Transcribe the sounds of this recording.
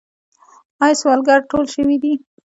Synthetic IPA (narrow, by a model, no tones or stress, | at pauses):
ɑjswɑlɡaɾʈolʃəwid̪i